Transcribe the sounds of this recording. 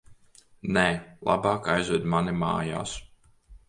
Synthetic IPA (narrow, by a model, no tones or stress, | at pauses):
nɛlˠa̰baːkajzud̪manima̰ːja̰ːs